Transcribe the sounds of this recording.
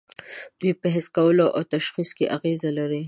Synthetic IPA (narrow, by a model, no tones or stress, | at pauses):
d̪̥wipəɦɪskawəloʔa̰wt̪aʃxiskeʔaɣezalaɾi